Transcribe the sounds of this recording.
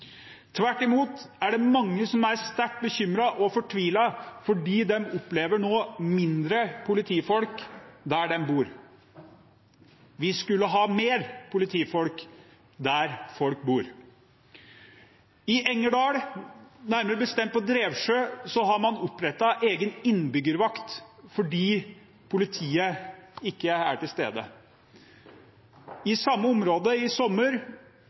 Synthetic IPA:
t̪ʰʋæʈːɪmuːt̪æɖɛmɑŋːəsɔmæɾst̪æʈ̚bəçʏmɾɑʔɔfɔʈʰʋiːlɑfɔɖiːd̪ɛmʊpleːʋəɳoːmɪnd̪ɾəpʰʊlɪt̪ʰiːfɔlkd̪æɖɛmbuːɾ | ʋɪskʉlːəɦɑːmeːɾpʰʊlɪt̪ʰiːfɔlk | d̪æɾfɔlk̚buːɾ | ɪʔɛŋːəɖɑːɽnæɾməɾəbəst̪ɛmt̪̚pʰɔd̪ɾeːʋʂøːsɔɦɑɾmɑnʊpːɾɛt̪ːɑʔeːɡənɪnːbʏɡəɾʋɑkt̪fɔɖiː | pʰʊlɪt̪ʰiːəɪkːəæʈɪlst̪ḛːd̪ə̰ | ɪsɑmːəʊmɾoːd̪əɪsɔmːəɾ

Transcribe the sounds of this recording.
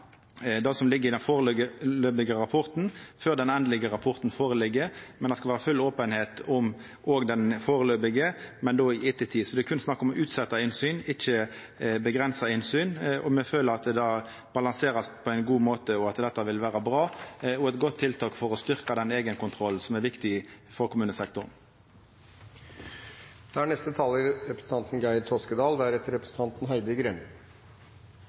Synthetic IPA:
d̪ɑsɔmlɪɡːəʁɪd̪ɛnfoːʁəløɡəløːbɪɡəʁɑpʰɔʁt̪n̩føːʁd̪ɛnɛnd̪əlɪɡəɾɑpʰɔʁt̪n̩foːʁəlɪɡːəmɛnɛskɑlʋæːɾəfʉloːpənheːt̪ʊm | ʔoːɡd̪ɛnfoːʁəløːbɪɡəmɛnd̪oːɪɪt̪ːət̪ʰiːsɔd̪ɛkʰʉnsnɑkːɔmʉːt̪sɛt̪ːɑɪnsyːnɪçːə | bəɡʁɛnsɑɪnsyːnɔmɛføːləɾɑt̪̚d̪d̪ɑː | b̥ɑlɑnseːʁɑspʰɔæɪnɡuːmoːt̪əɔɑt̪d̪ɛt̪ːɑʋɪlʋæːʁəbʁɑːɔɛt̪ɡɔt̪ʰːɪlt̪ʰɑːkfɔʁɔst̪ʏʁkɑd̪ɛneːɡənkʊnt̪ʰʁɔl̩sɔmæʁɾʋɪkt̪ɪfɔʁkʰʊmʉːnəsɛk̚t̪ʊʁn | d̪̥ɛæɳɛst̪ət̪ʰɑːlɪɾɛpɾəsn̩t̪ɑnt̪n̩ɡæɪt̪ʰoskəd̪ɑːld̪ɛæɾɛt̪əɾɛpɾəsn̩t̪ɑnt̪n̩ɦœɪd̪əɡɾɛn

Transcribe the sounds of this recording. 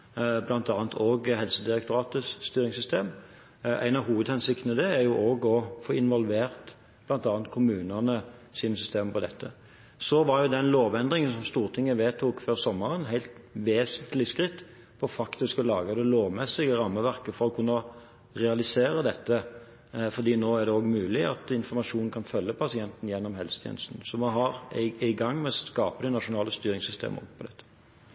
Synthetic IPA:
blɑnt̪ɑːnt̪ʰoːɡhɛlsəd̪ɪʁək̚t̪ʊɾɑːt̪əst̪yːɾɪŋsʏst̪eːm | æ̰ɪnɑʋɦuːʋəd̪hɛnsɪkt̪nəd̪ɛæʁjʊʔoːɡɔfɔɪnʋɔlʋeːʁt̪ | b̥lɑnt̪ɑːnt̪̚kʰʊmʉːnəʁnəsiːnəsʏst̪eːməpɔd̪ɛt̪ʰːə | sɔʋɑʁjʊd̪ɛnloːʋɛnd̪ʁɪŋənsɔmst̪uːʁt̪ʰɪŋːəʋeːt̪ʰuːkføːʁsɔmːəʁənɦhæɪlt̪ʋeːsənt̪lɪskʁɪt̪ː | pʰɔfɑkt̪ɪskɔlɑːɡəd̪ɛloːʋmɛsːɪɡəʁɑmːəʋæʁkəfɔɾʁɔkʰʉnːə | ʁɛɑlɪseːɾəd̪ɛt̪ːə | fɔʁd̪iːnoːæʁdɖ̪ɛoːɡmʉːlɪɑ̰t̪ɪnfɔʁmɑʂuːnn̩kʰɑnfœlːəpʰɑsɪɛnt̪n̩jɛnːɔmɦɛlsət̪ʰjḛːnəst̪n̩sɔmɛɦɑʁɪæɪɡɑŋːmɛɔskɑːpəd̪ɛnɑʂʊnɑːləst̪yːɾʁɪŋsʏst̪ʰḛːməpʰɔd̪ɛt̪ːə̥

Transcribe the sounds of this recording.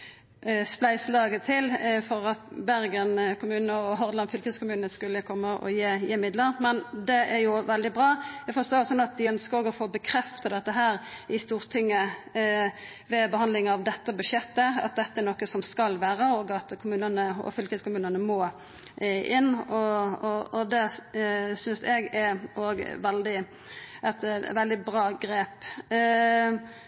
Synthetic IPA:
splæɪslɑːɡət̪ʰɪlfɔʁɑt̪bæɾɡənkʰʊmʉːnəɔɦɔʁd̪lɑnfʏlkəskʰʊmʉːnəskʉlːəkʰɔmːəʔɔ̰jeːjeːmɪd̪ləɾmɛnd̪ɛʔæɾjʊʋɛld̪ɪbʁɑːjæɪfɔst̪oːɾsɔnːɑt̪̚d̪ɪœnskəɾoːɡəɔfoːbəkʰɾɛft̪əd̪ɛt̪ːəɦæːɾɪst̪uːʁt̪ʰɪŋːə | ʋɛbəhɑnd̪lɪŋɑʋd̪ɛt̪ːəbʉʃjɛt̪ːəɑ̰t̪̚d̪ɛt̪ːəɛɾnokːəsɔmskɑlʋæːɾəoːɡɑt̪kʰʊmʉːnənəɔ̰fʏlkəskʊmʉːnənəmoː | ʔɪnːɔɔɔd̪ɛ | sʏnsɛɡɛɾoːɡʋɛld̪ɪ | ʔɛt̪ʋɛld̪ɪbɾɑːɡɾeːp

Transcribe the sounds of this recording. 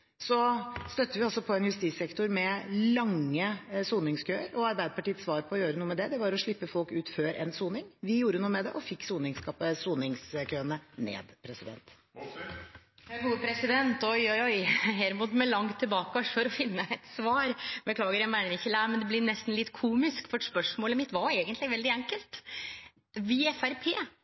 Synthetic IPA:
sɔst̪œt̪ːəʋɪɑlsɔpʰɔɛnjʉst̪iːsɛkt̪ʊɾmɛlɑŋːəsuːnɪŋskʰøːəɾɔɑɾbæɪd̪əpʰɑʈiːət̪sʋɑːɾpʰɔːjøːɾənuːəmɛd̪ɛd̪ɛʋɑɾɔʂɭɪpːəfɔlkʉːt̪føːɾʔɛ̰nsuːnɪŋʋɪjuːɾənuːəmɛd̪ɛ̰ʔɔfɪkːsuːnɪŋskɑsuːnɪŋskʰøːənənḛːd̪pʰɾɛsɪd̪ɛ̰nt̪ | hɡuːəpʰɾɛsɪd̪ɛnt̪ɔʏɔɔʏɦæɾɔmuːt̪mɛlɑŋt̪ʰːɪlbɑːkəʋɑʂfɔɾɔfɪnːəɛt̪sʋɑːɾbəklɑːɡəɾɛmænəɾɪçːəlæɪmɛnd̪ɛblɪnɛst̪n̩lɪt̪ːkʰuːmɪskfɔɾspœʂmoːləmɪt̪ʋɑɾeːɡənt̪lɪɡʋɛld̪ɪɛŋkəlt̪ | ʋɪɛfæɾpʰeː

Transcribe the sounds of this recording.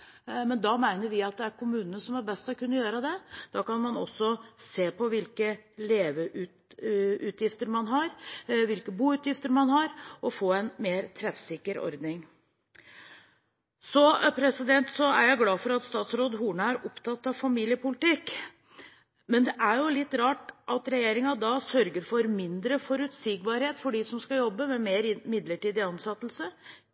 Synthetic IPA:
mɛnd̪ɑmæɪnəɾʋɪɑt̪̚d̪ɛæɾkʰʊmʉːnənəsɔmæɾbɛst̪ɔkʉnːəjøːɾəd̪ɛd̪̥ɑːkɑnmɑnɔ̰sːɔseːpʰɔʋɪlkəleːʋəʔʉt̪ʉːt̪ʰjɪft̪əɾmɑnɦɑɾʋɪlkəbuːʉːt̪jɪft̪əɾmɑnɦɑɾɔfoːɛnmeːɾt̪ʰɾɛfsɪkːəɾɔ̰ɾd̪nɪŋ | sɔpʰɾɛsɪd̪ɛnt̪sɔæ̰ɾjæɪɡlɑːfɔɾɑt̪st̪ɑːt̪sɾoːd̪ɦuːɳəæɾɔpt̪ʰɑt̪ːɑʋfɑmiːlɪəpʊlɪt̪ɪk | mɛnd̪ɛʔæɾjʊlɪt̪ːɾɑːʈʔɑt̪ɾɛjeːɾɪŋɑd̪ɑsœɾɡəɾfɔɾmɪnd̪ɾəfɔɾʉt̪siːɡ̚bɑɾheːt̪fɔɖisɔmskɑjɔbːəmɛmeːɾɪmɪd̪ləʈiːd̪ɪɑnsɑt̪ːəl̩sə

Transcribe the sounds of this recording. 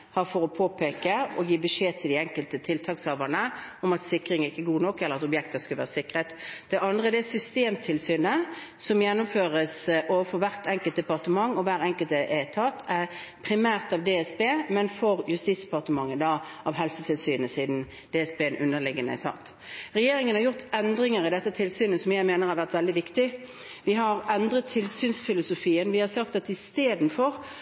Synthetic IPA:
hɑɾfɔʁɔpʰoːpʰeːkəɔjiːbəʂeːt̪ʰɪld̪ɪɛŋkəlt̪ət̪ʰɪlt̪ʰɑːkshøːʋənəɔmɑt̪sɪkʁɪŋəɪkːəɡuːnɔkːɛləʁɑt̪ɔbjɛkt̪əskɑlʋæːʁəsɪkːʁət̪d̪̥ɛʔɑnd̪ʁəd̪ɛsʏst̪eːmt̪ʰɪlsyːnə | sɔmjɛnːʊmføːʁəsʔoːʋəfɔʁʋæʁt̪ɛŋkəlt̪̚d̪ɛpɑʁt̪əmɑŋːɔʋæːɾɛŋkəlt̪əʔɛt̪ʰɑt̪ːæʁpʰɾɪmæːʁt̪ɑʋd̪ɛːɛsbeːmɛnfɔʁjʉst̪iːt̪sd̪ɛpɑʁt̪əmɑŋːəd̪ɑʔɑʋɦɛlsət̪ʰɪlsyːnəsiːd̪n̩ | d̪ɛɛsbeːnʔʉnːəʁlɪɡənə̰t̪ʰɑ̰t̪ː | ʁɛjeːɾɪŋənhɑɾjʊʁt̪ɛnd̪ɾɪŋəɾɪd̪ɛt̪ːət̪ʰɪlsyːnəsɔmjæɪmeːnəʁhɑɾʋæʁt̪ʋɛld̪ɪʋɪkt̪ɪ | ʋɪɦɑʁɛnd̪ʁət̪ʰːɪlsyːnsfɪlʊsʊfiːənʋɪhɑʁsɑkt̪ɑt̪ɪst̪eːd̪n̩fɔʁ

